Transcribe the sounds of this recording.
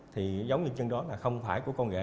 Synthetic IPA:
t̪ʰi˨˩zə˨˦wŋ͡mɲɨ˧ɲə˧ŋɗɔ˨˦laː˨˩xə˧wŋ͡mfaː˧˩jku˧˩əkɔ˧nɣa̰ː˧˦

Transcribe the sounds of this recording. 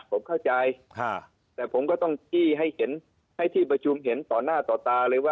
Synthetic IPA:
pʰo˩˦mkʰa˥˩wt͡ɕa˧jkʰa˧˥˩ | t̪ɛː˨˩pʰo˩˦mkɔː˥˩t̪ɔ˥˩ŋt͡ɕiː˧˥˩ɦa˥˩jhe˩˦n | ha˥˩jt̪ʰiː˥˩pa˧t͡ɕʰu˧mɦe˩˦nt̪ɔː˨˩nːaː˥˩t̪ɔː˨˩t̪aː˧lɤː˧˦waː˥˩

